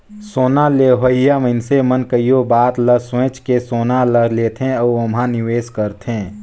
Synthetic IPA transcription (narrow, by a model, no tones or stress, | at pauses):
soːnaleːɦəijaməɪnsemənkəijobaːt̪ləɾswẽːt͡ʃkesoːnaləɾleːt̪ɦẽɔomɦãnɪʋeːskəɾt̪ẽː